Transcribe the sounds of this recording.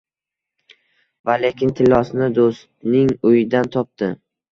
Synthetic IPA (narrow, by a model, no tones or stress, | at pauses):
vale̞kʲɪnt̪ʰɪlːɒsnɪd̪ost̪nɪŋʊjɪd̪ant̪ʰɒp̚t̪ɪ